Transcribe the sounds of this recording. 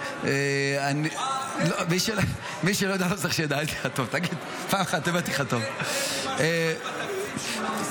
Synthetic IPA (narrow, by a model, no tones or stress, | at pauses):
eani | lomiʃe | miʃelojad̪alosaχʃejad̪alet̪i̥χat̪ovt̪aɡid̪ | paːmaχad̪̚t̪embat̪iχat̪ov | e